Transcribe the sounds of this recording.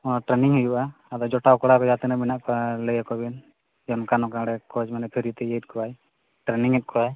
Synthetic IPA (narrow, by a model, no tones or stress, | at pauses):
ɔnaʈɾɛniŋɦujuʔa | ad̪ɔd͡ʒɔʈawkɔɽakɔd͡ʒat̪ɛnabinaʔkɔləjakɔbin | jɔnkanɔkaŋɽɛkɔd͡ʒmanɛpʰiɾit̪ɛjet̪̚kʰɔaj | ʈɾɛniŋɛt̪̚kʰɔaj